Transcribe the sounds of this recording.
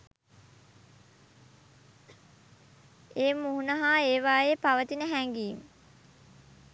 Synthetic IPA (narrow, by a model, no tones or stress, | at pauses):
eːmːuɦunɐɦaːeːʋaːjeːpaʋət̪inəɦæŋɡiːmə